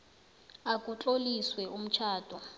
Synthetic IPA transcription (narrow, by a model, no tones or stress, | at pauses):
akʼut͡ɬʼoliswɛum̩t͡ʃʰaːd̥ʱʼɔ